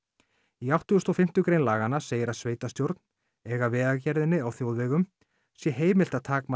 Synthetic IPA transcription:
iawht̪ʏɣʏst̪ɔfɪm̥t̪ʏkɾeːjnlaːɣanːaseːjɪɾaðsveːjt̪ast̪jowɾt̪n̥ | ɛɣavɛːðacɛɾðɪnːɪawθjowðvɛːɣʏm | sjɛɦeːjmɪlt̪aðt̪ʰaːkma

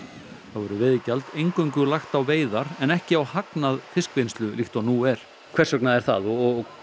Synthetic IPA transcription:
θavɔɾʏvɪðɪcalt̪ejŋkœɥŋkʏlaxt̪awveːjðaɾɛnɛhcɪawhaknaðfɪskvenst̪lʏlixt̪ɔnuːɛɾ̥ | kʰvɛr̥sœknaðɛɾ̥θa̰ðɔɔɣ

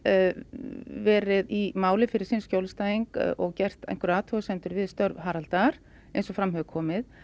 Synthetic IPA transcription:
vɛːɾɪðimaːwlɪfɪɾɪɾ̥siːnscjowlst̪aːjiŋkʔɔɣcɛr̥t̪ḛjn̥kʏɾaːt̪ʰɔʏsɛnt̪ʏɾvɪðst̪œɾvɦaːɾalt̪aɾ̥ | ejnsɔfɾamɦœʏkʰːɔːmɪð

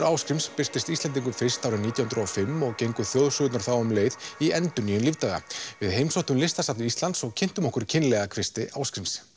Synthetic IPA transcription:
ɾawskɾimspɪst̪ɪst̪ist̪ɛnt̪̬iŋkʏmfɪst̪awɾɪniːt̪jahʏnɾɔfɪmːɔɣcejŋkʏθjowðsʏːt̪naɾ̥θawʏmleːjðiɛnt̪ʏnijʏnlivt̪aɣa̰vɪðɦejmsoht̪ʏmlɪst̪asapnɪist̪lant̪sɔɣcʰɪn̥t̪ʏmɔhkʏɾcʰɪnlɛɣakʰv̥ɪst̪ɪʔawskɾims

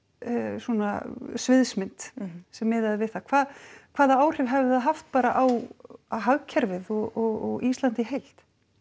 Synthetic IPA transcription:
swɔna̰svɪðsmɪnt̪sɛmːɪːðaðɪvɪðθakʰv̥aːðkʰvaːðaaːwr̥ɪvɦɛvɪaðɦaft̪̚paːɾaʔawaɦaɣcʰɛɾvɪðɔɣɔɣɔɣist̪lant̪ɪɦejl̥t̪

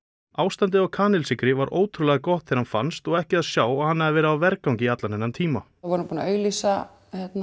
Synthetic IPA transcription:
aːwst̪ant̪̬ɪɔɣkʰaːnɪlsɪkɾɪvaɾʔoːwt̪ʰɾulɛɣakɔht̪θɛɾ̥hanfanst̪ɔɣɛhcɪaðsjaːwaɣhanːaðɪvɛːɾaːvɛɾkawŋcɪiat̪lanɛnːant̪ʰiːma | vɔɾʏmpuːnaœːɥlisa | hjɛt̪na

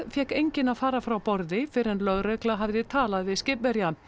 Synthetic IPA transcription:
fjɛkejɲcɪnaðfaːɾafɾawpɔɾðɪfɪɾɛnlœɣɾœklaɦavðɪðt̪ʰaːlaðvɪðscɪpvɛɾja

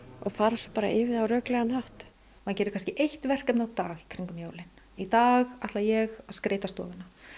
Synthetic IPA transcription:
ɔɣfaːɾasɔpaːɾa̰ʔɪːvɪðawɾœːklɛɣanhaht̪ | mancɛːɾʏɾkʰanscɪʔejht̪vɛr̥kɛpnawt̪aːɣikʰɾiŋkʏmjoːwlɪn | it̪aːɣat̪lajɛɣaskɾeːjt̪ast̪ɔ̰ːvɪnːa

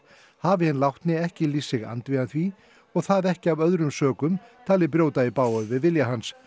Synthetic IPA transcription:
haːvɪhɪnlawht̪nɪɛhcɪliːsːɪɣa̰nt̪vianθvi | ɔɣθaðɛhcɪavœðɾʏmsœːkʏmt̪ʰaːlɪp̬ɾjoːwt̪aipaːwœvɪðvɪljaɦans

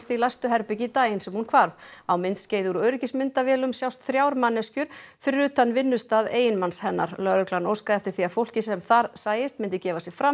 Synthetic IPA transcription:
st̪ilajst̪ʏɦɛɾpɪcɪt̪aːjɪnsɛmhunkʰvaɾvawmɪnt̪sceːjðʏɾœːɥɾɪcɪsmɪnt̪avjɛːlʏmsjawst̪θɾjaːwɾmanːɛscʏɾ̥fʏɾʏːt̪anvɪnːʏst̪aːðeːjɪnmanshɛnːa̰ɾlœɾʏklanowskaɛft̪ɪ̥ɾ̥θiafow̪̥cɪsɛmθaɾsaːjɪst̪̚mɪnt̪ɪcɛːvasjɪɣfɾa

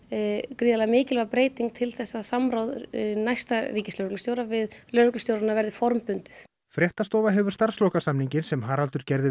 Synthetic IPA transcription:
kɾiːðalamɪːcɪlɛɣapɾeːjt̪iŋk̚t̪ʰɪlθɛsːasamɾawðnajst̪ariːcɪslœɾʏklʏst̪joːwɾavɪðlœɾʏklʏst̪jowɾanavɛɾðɪfɔɾmpʏnt̪ɪθ | fɾjɛht̪ast̪ɔːvaɦɛvʏɾ̥st̪ar̥slɔːkasamniɲcɪnsɛmɦaɾalt̪ʏɾ̥cɛɾðɪ

